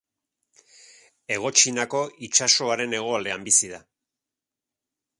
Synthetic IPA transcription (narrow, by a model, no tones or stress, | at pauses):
e̞ɣ̞o̞t͡ʃinako̞it͡ʃaso̞aɾe̞ne̞ɣ̞o̞ald̪e̞ambisiða